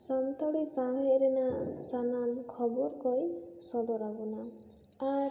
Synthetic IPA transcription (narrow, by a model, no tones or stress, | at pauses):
sant̪aɽisaɽ̃ɔɾenasanankʰɔbɔɾkɔjsɔd̪ɔɾaɡɔna | a